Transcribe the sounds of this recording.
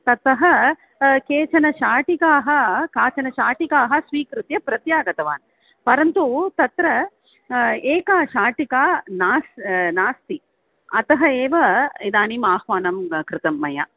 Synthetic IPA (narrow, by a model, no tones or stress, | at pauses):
t̪ɐt̪ɐɦɐ | keːt͡ʃɐnɐʃaːʈikaːɦɐ̆kaːt͡ʃɐnɐʃaːʈikaːɦɐ̆sʋiːkɾut̪jɐpɾɐt̪jaːɡɐt̪ɐʋaːn | pɐɾɐnt̪ut̪ɐt̪ɾɐ | eːkaːʃaːʈikaːnaːsnaːst̪i | ɐt̪ɐɦɐeːʋɐid̪aːnimaːhʋaːnɐmkɾɪt̪ɐmːɐja̰ː